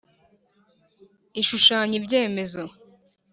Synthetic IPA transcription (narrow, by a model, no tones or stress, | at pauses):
iʃuʃaːɲibɟe̞ːme̞zo